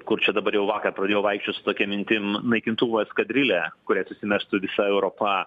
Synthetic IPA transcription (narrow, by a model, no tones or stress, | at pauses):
kʊrt͡ʃʲɛd̪ɐbɐɾjɛʊʋɑːkɐrpɾɐd̪ʲeːjoːʋɐɪkʃʲt͡ʃʲoːsʊ̥t̪oːkʲɛmʲɪnʲt̪ʲɪmnɐɪkʲɪnt̪uːʋoːskɐd̪ʲɾʲɪlʲɛːkʊɾʲæːsʊsʲɪmʲæʃt̪ʊʋʲɪsɐɛʊɾoːpɐ